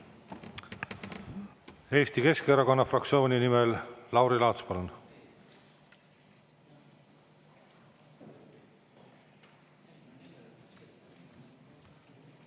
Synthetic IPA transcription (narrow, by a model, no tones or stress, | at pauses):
e̞ːst̪ike̞skeɾɑko̞nːɑfrɑk̚tsio̞ːnʲinimelːɑwɾilɑːt̪spolen